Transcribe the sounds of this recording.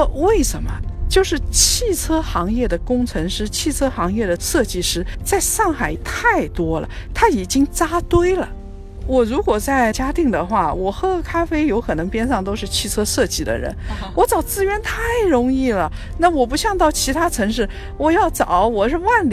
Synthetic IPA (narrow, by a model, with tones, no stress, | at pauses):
we˥˩ɪʂə˧˥nmə̰˧t͡ɕjo˥˧ʊʂɻ̩˥˧t͡ɕʰi˥˩t͡sʰɤ˥xɑ˧˥ŋjɛ˥˩d̪ə˩kʊ˥ŋt͡sʰɤ˧˥ŋʂɻ̩˥t͡ɕʰi˥˩t͡sʰɤ˥xɑ˧˥ŋjɛ˥˩d̪ə˩ʂɤ˥˧t͡ɕi˥˩ʂɻ̩˧˥t͡sa˥˧ɪʂɑ˥˩ŋxa˨˩ɪt̪ʰa˥˩ɪt̪wɔ˥lə̰˨˩t̪ʰa˥i˨˩t͡ɕi˥ŋt͡sa˥t̪we˥ɪlə̰˨ | wɔ˨˩ɻu˧˥kwɔ˨˩t͡sa˥˩ɪt͡ɕja˥t̪i˥˩ŋd̪ə˩xwa˥˩wɔ˨˩xɤ˥˩kʰa˥fe˥ɪjo˧˥ʊkʰɤ˨˩nɤ˧˥ŋpjɛ˥nʂɑ˥˩ŋt̪o˥ʊʂɻ̩˥˧t͡ɕʰi˥˩t͡sʰɤ˥ʂɤ˥˧t͡ɕi˥˩d̪ə̰˨ɻə̰˧˥nwɔ˧˥t͡sɑ˨˩ʊt͡sɹ̩˥ɥɛ˧˥nt̪ʰa˥˩ɪɻʊ˧˥ŋi˥˩lə˩ | na˥˩wɔ˨˩p̬u˧˥ɕjɑ˥˧ŋt̪ɑ˥˩ʊt͡ɕʰi˧˥t̪ʰa˥t͡sʰɤ˧˥ŋʂɻ̩˥˩ | wɔ˨˩jɑ˥˩ʊt͡sɑ˨˩˦ʊwɔ˨˩ʂɻ̩˥˧wa˥˩nl